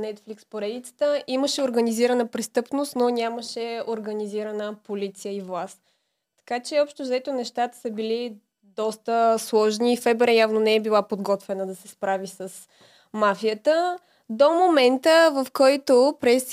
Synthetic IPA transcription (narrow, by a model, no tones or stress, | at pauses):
nɛt̪flikspoɾɛd̪it̪sə̥t̪əʔiməʃɛoɾɡəniziɾənəpɾɛst̪ɤpnost̪nonʲaməʃɛoɾɡɐniziɾənəpolit̪sijəivlˠas | t̪ɐ̥kat͡ʃɛɔpʃt̪ozɛt̪onɛʃt̪at̪ə̥səbili | d̪ɔst̪əslˠɔʒniːfɛbɛɾɛjavnonɛɛbilˠapod̪ɡɔt̪vɛnəd̪ɐsɛspɾavisəs | mafijət̪ə | d̪omomɛnt̪əvɐfkɔjt̪opɾɛs